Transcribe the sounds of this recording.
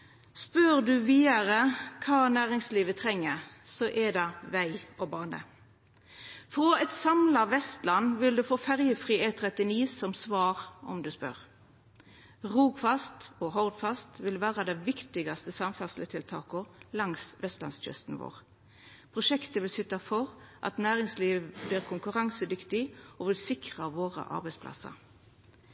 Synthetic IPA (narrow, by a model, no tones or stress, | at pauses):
spœʁd̪ʉʋiːɑʁəkʰɑːnæːʁɪŋsliːʋət̪ʰʁɛŋːəsɔʔɛd̪ɑʋæɪɔbɑːnə̰ | fʁɔɛt̪sɑmlɑʋɛst̪lɑnːʋɪld̪ʉfoːfæʁjəfʁiːeːt̪ʰʁɛt̪ɪniːsɔmsʋɑːʁɔ̰md̪ʉspœ̰ʁ | ʁuːɡfɑst̪oːɦɔʁd̪fɑst̪ʋɪlʋæːʁɑd̪ɛʋɪkt̪ɪɡɑst̪əsɑmfæʁslət̪ʰɪlt̪ʰɑ̰ːkəlɑŋsʋɛst̪lɑ̰nsc͡çœ̰st̪n̩ʋo̰ːʁ | pʰʁʊʃɛkt̪əʋɪlsʏt̪ɑfɔʁʔɑ̰t̪næːʁɪŋsliːʋʋbliːʁkʰʊŋkʉʁɑŋsəd̪ʏkt̪ɪʔoːʋɪlsɪkʁɑʋoːʁə̰ʔɑ̰ʁbɛɪspʰlɑ̰sɑ̰